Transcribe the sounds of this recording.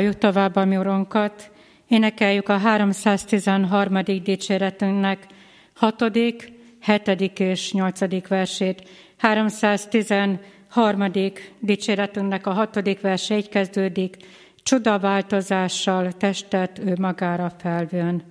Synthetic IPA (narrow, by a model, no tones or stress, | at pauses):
jukt̪o̞vaːbːɒmioɾo̞ŋkɒt̪ | eːnɛkɛjːykɒɦaːɾo̞msaːst̪izɛnɦɒrmɒd̪iɡ̚d̪iːt͡ʃeːɾɛt̪yŋknɛk | hɒt̪o̞d̪ik | hɛt̪ɛd̪ikeːʃɲo̞lt̪sɒd̪ikʋɛrʃeːt̪ | haːɾo̞msaːst̪izɛn | hɒrmɒd̪ikd̪iːt͡ʃeːɾɛt̪yŋknɛkɒɦɒt̪o̞d̪ikʋɛrʃɛic̪kɛzd̪øːd̪ik | t͡ʃud̪ɒvaːlt̪o̞zaːʃːɒlt̪ɛʃt̪ɛt̪ːøːmɒɡaːɾɒfɛlvøn